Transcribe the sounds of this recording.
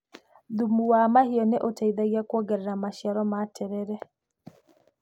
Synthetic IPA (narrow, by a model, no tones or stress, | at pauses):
ðumuwamahiɔneʔotaiðaɣjakwɔɡɛɾɛɾamaʃjaɾɔmatʰɛɾɛɾɛ